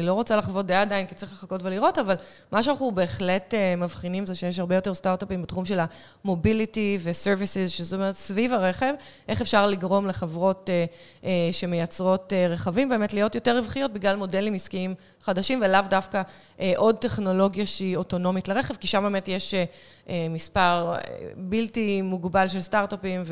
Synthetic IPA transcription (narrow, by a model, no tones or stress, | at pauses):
nilo̞ʁot͡salaχvo̞t̚deaːdainki̥tt͡sʁiχle̞χako̞tveliʁo̞taval | maʃeanaχube̞ːχletemavχinimzeʃejeʃ̬haʁbe̞jo̞te̞ʁstaʁtapimbetχumʃe̞la | mo̞bilitiveseʁvisizʃezotomeʁetsvivaʁeχev | ʔeχefʃaʁliɡʁo̞mleχevʁo̞te | eʃe̞mejat͡sʁo̞teʁeχavimbemetlijo̞tjo̞teʁivχijo̞t̚biɡlalmo̞delimiskiim | χadaʃimvelavdafka | ʔeʔo̞d̚te̞χno̞lo̞ɡjaʃio̞to̞no̞mitleʁeχevkiʃambemetjeʃ | emispaʁ̰biltimuɡbalʃelstaʁtapimv